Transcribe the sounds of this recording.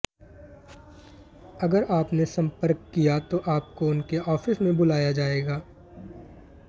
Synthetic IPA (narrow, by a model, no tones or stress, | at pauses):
ɐɡəɾaːpnesɐ̃mpəɾkːijat̪oʔaːp̚koʊnkeʔɔːfɪsmẽbʊlaːjad͡ʒaːeːɡaː